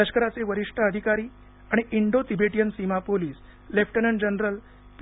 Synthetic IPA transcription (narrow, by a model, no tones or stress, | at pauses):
əɕkəɾat͡seʋəɾiʂʈʰaəd̪ʱikaɾiː | aɽ̃iʔiɳɖot̪ibeʈijənsimapoliːs | lefʰʈənəɳd͡ʑənɾəl | p